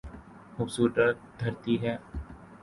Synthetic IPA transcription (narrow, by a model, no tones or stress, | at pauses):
xʊbsuːʈəɾd̪ʱɐɾt̪iɦɛː